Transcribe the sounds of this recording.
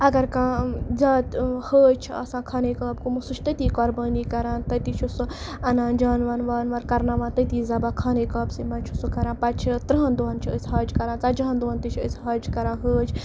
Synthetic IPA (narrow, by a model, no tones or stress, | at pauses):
ɐɡɐɾkãːzʲaːt̪həːd͡ʒt͡ʃʰiɐ̰sãːkʰaːneːkaːb̚kumusut͡ʃʰt̪ɐt̪iːkoːɾbaːniːkɐɾãːnt̪ɐt̪it͡ʃʰusu | ɐnãːnd͡ʒaːnʋaːnʋaːnʋɐɾkɐɾnaːʋaːnt̪ɐt̪iːzɐbaːkʰaːneːkaːbsimɐnt͡ʃʰusukɐɾãːpɐt͡ʃʰit̪ɾɦɐnd̪uɐnt͡ʃʰiəsʲɦaːd͡ʒkɐɾãːt͡saːd͡ʒɐɦɐ̃nd̪uɐnt̪it͡ʃʰəsɦɐːd͡ʒkɐɾãːɦəːt͡ʃʰ